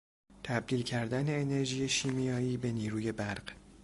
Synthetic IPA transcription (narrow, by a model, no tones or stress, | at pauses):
t̪ʰæb̚d̪iːlcʰæɾd̪æne̞ːne̞ɾʒiːje̞ʃiːmijɒːjiːbe̞niːɾuːje̞bæɾɢ̥